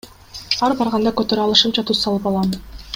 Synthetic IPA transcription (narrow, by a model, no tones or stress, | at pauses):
ɑɾbɑɾʁɑnd̪ɑkøt̪øɾɑlˠɯʃɯpt͡ʃʰɑt̪ʰusɑlˠɯpɑlˠɑm